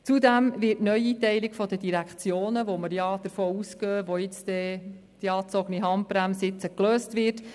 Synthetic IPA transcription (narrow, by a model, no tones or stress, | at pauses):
t͡sud̪æmʋɪːɾtnœjitɛɪlikfɔdədiɾækχt͡sjoːnəʋoməɾjɑd̥əɾfoːuskøːʋojɪt͡sd̪ɛ | d̥iɑːt͡sɔɡəniɦɑmpɾæmsɪt͡səkløːstʋɪːt